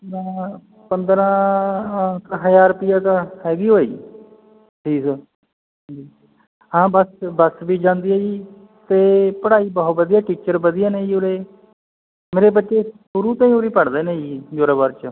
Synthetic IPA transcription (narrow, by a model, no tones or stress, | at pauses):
əɾãː | pənd̪ɾãː | kəɦəjaːɾpijaːt̪ahɛːɡiːɦoːḭː | ʈʰiːsə | d͡ʒiː | ɦãːbəsbəsbiːd͡ʒãːnd̪iːeːiː | t̪eːpəɽaːiːbɔɦt̪̚bəd̪ijaːʈiːt͡ʃəɾbəd̪ɪjaːneːiːoɾeː | meːɾeːbətːʃeːʃʊɾuːt̪ãːĩːoɾiːpəɽd̪eːneːiːd͡ʒoːɾaːbəɾt͡ʃə